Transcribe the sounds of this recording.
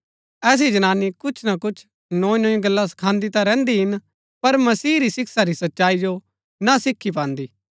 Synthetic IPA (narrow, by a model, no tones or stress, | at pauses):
ɛːs̬id͡ʒɐnaːnːikʊt͡ʃʰnakʊt͡ʃʰ | nõːĩnõːĩɡɐlːas̬ɐ̥kʰãːnd̪it̪aɾɛ̃ːnd̪iɦɪn | pɐɾmɐsiːɾisɪksaɾisɐtːʃaːid͡ʒo | nasɪkʰːip̬ãːnd̪iː